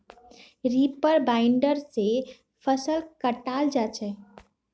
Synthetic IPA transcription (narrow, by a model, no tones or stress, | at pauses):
ɾipəɾbaɪɳɖəɾse | pʰəsəlkəʈald͡ʒat͡ʃʰɛ